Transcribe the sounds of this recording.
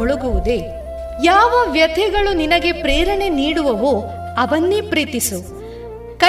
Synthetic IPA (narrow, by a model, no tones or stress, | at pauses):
ɔɭuɡuʋud̪e̞ | jaːʋɐʋjɐd̪ʱɛɡɐɭuninɐɡe̞pɾɛːɾɐɳe̞niːɽuʋɐʋo | ɐʋɐnːipɾiːt̪isu | kɐ